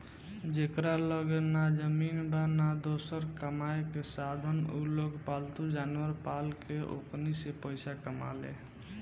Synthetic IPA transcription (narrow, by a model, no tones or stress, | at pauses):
d͡ʒekɾaləɡenad͡ʒəminbanad̪osəɾkəmaekesad̪ʱənṵloɡpalt̪ud͡ʒanwəɾpalkeʔo̰knisepəɪsakəma̰lḛ